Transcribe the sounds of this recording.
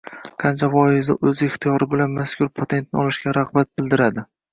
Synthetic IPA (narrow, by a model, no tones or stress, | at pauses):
qʰɑnt͡ʃʰavɒɪzɪ̰ʔɵzɪɪχt̪ʰijɒɾɪbɪlanmaskʰʲʊɾpʰot̪ʰe̞nt̪̚nɪɒlˠɪʃkʲaɾaʁbat̪̚bɪld̪ɪɾad̪ɪ